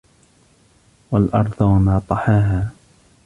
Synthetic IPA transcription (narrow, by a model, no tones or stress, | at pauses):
walʔɑɾˤd̪ˤwanɑːt̪ˤɑħaːɦaː